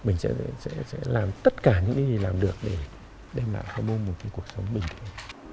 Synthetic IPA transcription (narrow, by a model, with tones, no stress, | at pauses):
mï˨˩ŋ̟sɛ̰˧˥˧sɛ̰˧˥sɛ̰˧˥laː˨˩mt̪ə˦˥t̚kaː˧˩ɲɨ̰˧˥ŋka˨˦zi˨˩laː˨˩mɗɨ˨˩ək̚ɗe˧˩ | ɗɛ˧mla̰ː˧˨jtɔ˧mo˧nm˨˩t̚kaː˨˦jku˧˨˩ək̚sə˨˦wŋ͡mmï˨˩ŋ̟t̪ʰə˧˦